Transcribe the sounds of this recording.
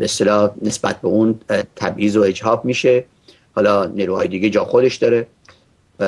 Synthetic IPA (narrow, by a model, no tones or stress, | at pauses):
beːst̪elɒːhnesbæ̰t̪̚ʰbeunt̪ʰæbʔiːzoe̞d͡ʒhɒːbmiːʃe̞ | hɒːlɒːniɾuːhɒ̰ːjed̪iːɡʲed͡ʒɒːxod̪e̞ʃd̪ɒːɾe